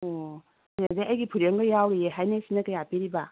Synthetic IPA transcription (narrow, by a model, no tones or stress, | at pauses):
ɔ | zeʔajɡipʰuɾjeŋɡɯjawɾieɦajnesinɐkɯjapiɾiba